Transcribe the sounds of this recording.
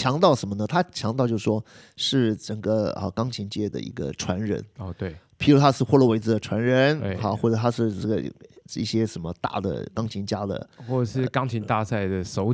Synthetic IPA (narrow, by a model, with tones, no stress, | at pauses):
t͡ɕʰjɑ˧˥ŋt̪ɑ˥˩ʊʂə˧˥nmə˧nə˨˧t̪ʰa˥t͡ɕʰjɑ˧˥ŋt̪ɑ˥˧t͡ɕjo˥˧˩ʂwɔ˥ | ʂɻ̩˥˩ʈ͡ʂə˨˩ŋɡə˦ə̰˧kɑ˥ŋt͡ɕʰi˧˥nt͡ɕjɛ˥˩d̪ə̰˩ḭ˧˥ɡə̰˧ʈ͡ʂʰwa˧˥nɻə̰˧˥nɔ˥˧t̪we˥˩ɪpʰi˧˥ɻu˧˥t̪ʰa˥ʂɻ̩˥˧xwɔ˥˧lə˥˩we˧˥ɪd͡zɹ̩˧d̪ə˩ʈ͡ʂʰwa˧˥nɻə˧˥n˥˧a˧˩xwɔ˥˩ʈ͡ʂə˨˩t̪ʰa˥ʂɻ̩˥˧ə˥˩ɡə̰˩ḭ˥˩ɕjɛ˥ʂə˧˥nmə˧t̪a̰˥˩d̪ə̰˩kɑ˥ŋt͡ɕʰi˧˥nt͡ɕja˥d̪ə̰˨xwɔ˥˩ə˩ʂɻ̩˥˩˧kɑ˥ŋt͡ɕʰi˧˥nt̪a˥˧sa˥˩ɪd̪ə˩ʂo˧˥ʊ